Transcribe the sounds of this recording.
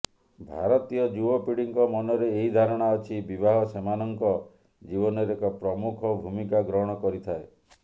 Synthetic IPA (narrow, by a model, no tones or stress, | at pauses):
bʱaɾɔt̪ijɔd͡ʒubɔpiɽiŋkɔmɔnɔɾeːɦid̪ʱaɾɔɽ̃aɔt͡ʃʰibibaɦɔsemanɔŋkɔ | d͡ʒiβɔnɔɾekɔpɾɔmukʰɔbʱumikaɡɾɔɦɽ̃ɔkɔɾit̪ʰae